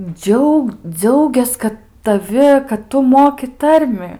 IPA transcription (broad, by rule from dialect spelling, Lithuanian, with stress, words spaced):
ˈd͡ʒʲɛʊk ˈd͡zʲɛʊɡʲɛs ˈkɐt tɐˈʋʲɪ kɐt ˈtʊ ˈmoːkʲɪ ˈtɐrʲmʲɪ